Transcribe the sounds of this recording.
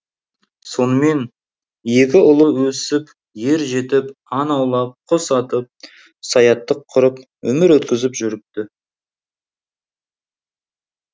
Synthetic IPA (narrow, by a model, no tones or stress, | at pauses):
so̞nəme̞n | je̞kʲɪʊlˠəwɵsɪp | je̞ɾʒe̞t̪ɪp | ɑnɑwlˠɑp̚qʰosɑt̪əp̚ | sɑjɑt̪ːəqʰːʊɾəp | wɵ̰mɪɾwɵt̪kʲɪzɪpʒʏɾɪp̚t̪ɪ